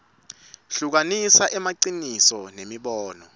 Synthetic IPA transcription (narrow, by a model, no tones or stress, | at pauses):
ɬuk̬anisaʔɛmaǀinisɔnemiɓɔːnɔ